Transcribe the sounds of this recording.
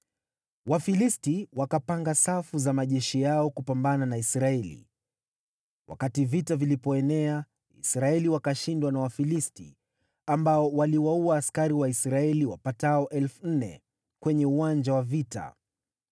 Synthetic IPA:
wafilistiwakapaŋɡasafuzamaʄɛʃijaɔkupambananaisɾaɛlḭ | wʔa̰kativitavilipɔɛnɛa | ḭsɾaɛliwakaʃindwanawafilisti | ambaɔwaliwauaːskaɾiwaisɾaɛliwapataɔʔɛlfun̩nɛ̰ | kwɛɲɛuaɲd͡ʒawavita̰

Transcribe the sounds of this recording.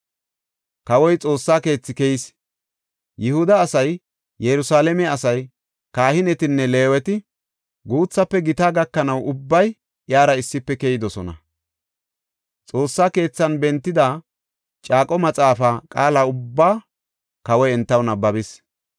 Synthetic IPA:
kɐwɔjt͡sʼo̞ːsːaːke̞ːt͡sːɪkɛjɪs | jɪhʊd̪ɐːsɐj | jɛɾʊsaːlɛmɛɐsɐj | kaːhɪnɛt̪ɪnːɛle̞ːwɛt̪ɪ | ɡuːt͡sːɐpːɛɡɪt̪aːɡɐkːɐnɐwʔʊbːɐj | ʔjaːɾɐɪsːɪpːɛkejɪd̪ɔsɔnɐ̰ | t͡sʼo̞ːsːaːke̞ːt͡sːɐnbɛnt̪ːɪd̪a | t͡ʃʼaːkʼɔmɐt͡sʼaːfaːkʼaːlɐʊbːaː | kɐwɔjɛnt̪ːɐwnɐbːɐbɪs

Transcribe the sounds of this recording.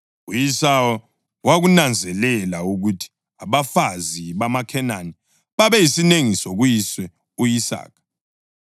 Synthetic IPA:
ujisaɔ | waɣunand͡zʱɛlɛlauɣutʰi̥ | aβafaziβamakʰɛnani | βaβɛjisineŋisoɣujiswɛ | ujisa̰ːkʰḁ

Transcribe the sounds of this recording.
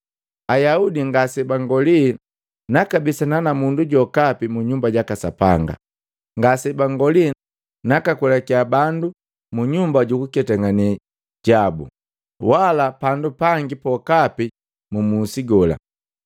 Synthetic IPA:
ajaudiŋɡasɛbaŋɡɔli | nakabisananamunduɟɔkapimuɲumbaɟakasapaŋɡa̰ | ŋɡasɛbaŋɡɔli | nakakulakiabandu | muɲumbaɟukukɛtaŋani | ɟabṵ | walapandupaŋɡipɔkapi | mumuːsiɡɔla̰

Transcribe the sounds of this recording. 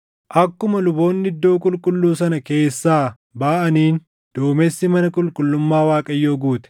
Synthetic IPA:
ʔɐkːʊmɐlʊbo̞ːnːɪd̪ːo̞ːkʼʊlkʼʊlːuːsɐnɐke̞ːsːaː | baːʔɐniːn | d̪̥oːmɛsːɪmɐnɐkʼʊlkʼʊlːʊmːaːwaːkʼɐjːoːɡuːt̪ɛ̥

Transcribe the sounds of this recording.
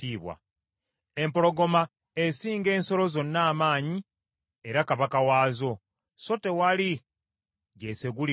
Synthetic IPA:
iːβwa̰ | e̞mpo̞lo̞ɡo̞ma | esiːŋɡe̞ːnso̞lo̞zo̞nːaːmaːɲi | e̞ɾakaβakawaːzo̞ | so̞te̞wali | ɟe̞se̞ɡuli

